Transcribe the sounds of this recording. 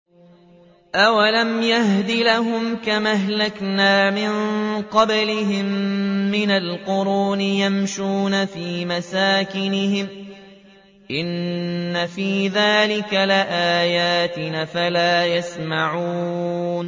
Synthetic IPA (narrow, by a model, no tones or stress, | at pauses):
ʔawalamjahd̪ilaɦʊmkamaɦlaknaːmɪnqɑblɪɦɪmːɪnalqʊɾuːnɪjamʃuːnafiːmasaːkɪnɪhɪm | ʔɪnːafiːðaːlɪkalɪʔaːjaːt̪ɪnafalaːjasmaʕuːn